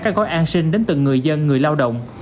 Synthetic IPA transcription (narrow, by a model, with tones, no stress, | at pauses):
kaː˦˥k̚ːɔ˨˦jʔaː˧nsï˧ŋ̟ɗe˨˦nt̪ɨ˨˩ŋŋɨ˨˩əjzə˧nŋɨ˨˩əjlaː˧wɗə̰˧˨wŋ͡m